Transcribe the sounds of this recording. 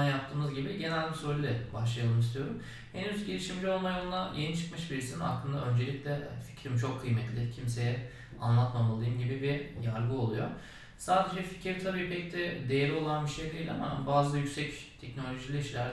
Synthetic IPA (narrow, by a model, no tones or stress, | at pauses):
jap̚t̪ʰɯːmɯzɟibiɟe̞nælʲbisoɾlʲed̪ʲɛbaʃlˠajalˠɯmist̪ijo̞ɾum | henyzɟe̞lʲiʃimd͡ʒio̞lˠmajonlˠajenit͡ʃʰɯ̥kmɯʃbiɾisina̰klˠɯnd̪a̰ø̞nd͡ʒe̞lʲiclʲɛa̰nfi̥cɾimt͡ʃʰo̞kʰːɯjmɛt̪lʲɪcʰimse̞jɛ | a̰nlˠat̪mamalˠɯjɯmɟibibijaɾɡɯo̞lˠujo̞ | saːd̪e̞d͡ʒɛfi̥cʰiɾt̪ʰabiːpʰɛc̚t̪ʰɛd̪ejeɾlʲio̞lˠanbiʃejlʲijlʲɛamabaːzlˠajycʲsɛct̪ʰɛcno̞lʲo̞ʒilʲiiʃlʲæɾ